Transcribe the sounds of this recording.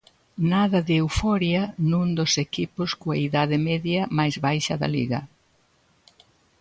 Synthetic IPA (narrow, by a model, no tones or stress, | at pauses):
naðɐðewfɔɾjɐnũŋd̪osekipʊskoa̰iðaðɪmɛðjɐmajzβajʃɐðɐ̰lḭɣɐ̰